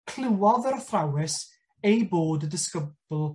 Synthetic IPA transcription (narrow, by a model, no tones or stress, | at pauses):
kʰl̥ɪwɔðərθrawɪs | ejboːdədɪskəbʊlˠ